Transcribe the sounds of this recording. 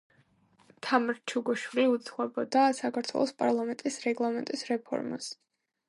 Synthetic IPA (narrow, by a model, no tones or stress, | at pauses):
t̪ʰamɾt͡ʃʰuɡɔʃwɾiut̪sʰχwɛbɔd̪asakʰaɾt̪ʰwɛ̰lˠɔspʼa̰ɾlˠamɛnt̪ʼisɾɛɡlˠamɛnt̪ʼisɾɛpʰɔ̰ɾma̰s